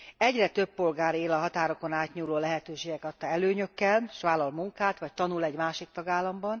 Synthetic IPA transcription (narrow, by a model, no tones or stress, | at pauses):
ɛɟrɛt̪ø̞bːo̞lɡaːɾeːlɒɦɒt̪aːɾo̞ko̞naːt̪ɲuːloːlɛɦɛt̪øːʃeːɡɛkɒt̪ːɒɛløːɲø̞kːɛlʃʋaːlːɒlmuŋkaːt̪ʋɒc̚t̪ɒnulɛɟmaːʃik̚t̪ɒɡaːlːɒmbɒn